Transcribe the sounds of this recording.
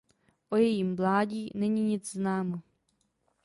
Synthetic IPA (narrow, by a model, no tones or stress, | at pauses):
ʔojɛjiːmvlaːɟiːnɛɲiɲɪd͡zznaːmo